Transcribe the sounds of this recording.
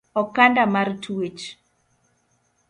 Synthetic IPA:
ɔkandamartʰuwet͡ʃ

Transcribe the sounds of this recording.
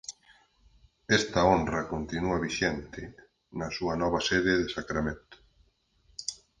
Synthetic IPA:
ɛst̪ɐonrɐkont̪inuɐβiʃɛnt̪ɪ | nɐsuɐnɔβɐseðɪðesakɾamẽnt̪ʊ̥

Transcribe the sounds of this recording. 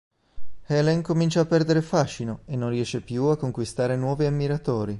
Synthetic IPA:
hɛlɛŋkomint͡ʃaːpːɛrd̪eɾefaʃːinoenːonriɛːʃːepjuakːoŋkwist̪aːɾenwɔːviamːiɾat̪oːɾi

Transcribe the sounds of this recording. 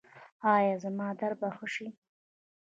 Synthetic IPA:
ɑjɑːzamɑːd̪aɾbaxʊʂi

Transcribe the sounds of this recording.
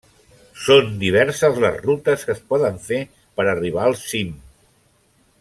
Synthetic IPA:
sond̪iβ̞ɛɾsəzlə̰zrut̪əskəspɔðəɱfe | pəɾəriβ̞aəlˠsim

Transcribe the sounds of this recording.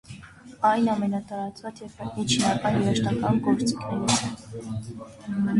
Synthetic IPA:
ɑjnɑmɛnɑt̪ɑɾɑt͡svɑt͡sjɛɾvɑmit͡ʃʰinɑkɑnjɛɾɑʃt̪ɑkɑnɡɔɾt͡sikʰnɛɾɛ

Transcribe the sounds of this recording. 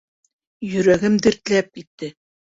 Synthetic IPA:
jɵ̆ɾæɡɘmd̪ɘ̆ɾt̪læp̚it̪ːɘ

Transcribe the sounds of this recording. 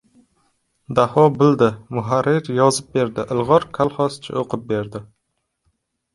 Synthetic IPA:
d̪ahɒbɪld̪ɪmʊɦaɾːɪɾjɒzɪp̚be̞ɾd̪ɪʔɪlˠʁɒɾkʰalˠχɒst͡ʃʰɪ̰oqʰɨp̚be̞ɾd̪ɪ

